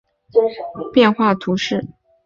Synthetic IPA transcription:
pjɛ˥˧nxwa˥˩t̪ʰu˧˥ʂɻ̩˥˩

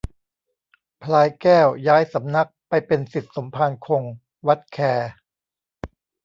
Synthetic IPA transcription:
pʰlaː˧jkɛː˥˩wjaː˦˥jsa˩˦mna˦˥k̚pa˧jpe˧nsi˨˩t̪̚so˩˦mpʰaː˧nkʰo˧ŋ | wa˦˥t̪̚kʰɛː˧

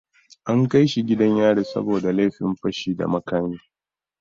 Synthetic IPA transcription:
ʔa˦ŋka˦jʃi˨ɡʲɪ˦dɐ˦ɲjaː˦ɽiː˨sɐ̰˦boː˨da˨le˦ɸɪ˨mɸɐ˦ʃiː˨da̰˨mɐ˦kaː˦miː˦

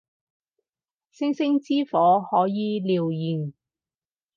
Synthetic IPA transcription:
sɪ˥ŋsɪ˥ŋt͡siː˥fɔː˨˥hɔː˨˥jiː˨˧liː˨wjiː˨˩n

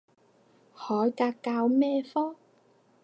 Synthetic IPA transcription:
hɔː˨˥jkaː˧kkːaː˧wmɛː˥fɔː˥ŋ

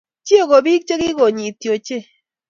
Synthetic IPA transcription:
t͡ʃi˦o˦˨ɡo˨bi˦k̚t͡ʃe˦ɡɪ˦ɡo˨ɲi˨t̪jo˨t͡ʃe˦˨

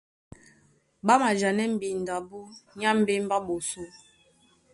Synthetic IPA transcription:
ba˦ma˨d͡ʒa˨nɛ˦m̩˨bi˨n˨da˨bu˦ɲa˦m̩˦be˦m˦ba˦ɓo˨so˦

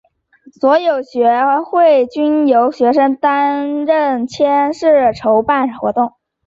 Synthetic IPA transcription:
swɔ˧˥jo˨˩ʊɕɥɛ˧˥xwe˥˩ɪt͡ɕy˥njo˧˥ʊɕɥɛ˧˥ʂə˥ŋt̪a˥nɻə˥˩nt͡ɕʰjɛ˥nʂɻ̩˥˩ʈ͡ʂʰo˧˥ʊpa˥˩nxwɔ̰˧˥t̪ʊ˥˩ŋ

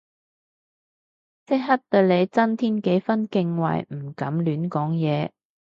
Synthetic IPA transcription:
sɪ˥k̚ɦɐ˥t̚t̪əː˧le˨˧jt͡sɐ˥nt̪ʰiː˥nke˨˥jfɐ˥nkɪ˧ŋwɐ̰˨˩jm̩˨˩kɐ˨˥mlyː˨˥nkɔː˨˥ŋjɛː˨˧

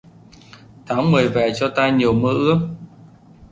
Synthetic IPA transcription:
t̪ʰaː˨˦ŋmɨ˨˩əjvɛ̰˨˩t͡ɕɔ˧t̪aː˧ɲi˨˩əwmə̰˧˥ʔɨ˦˥ək̚

